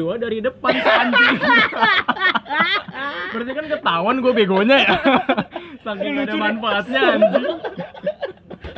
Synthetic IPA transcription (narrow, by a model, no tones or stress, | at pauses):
uadaɾidəpansəaɲd͡ʒi | bəɾt̪iakankət̪awanɡuabeɡoɲaja | saŋkɪɪŋdəmanfaːt̪̚ɲaːɲd͡ʒi